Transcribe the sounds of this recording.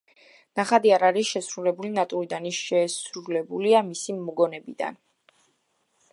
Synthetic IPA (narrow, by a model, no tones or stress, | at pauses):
naχad̪iaɾaɾisʃɛsɾulɛbulinat̪ʼuɾid̪anisʃɛːsɾulɛbuliamisimːuɡɔnɛbid̪a̰n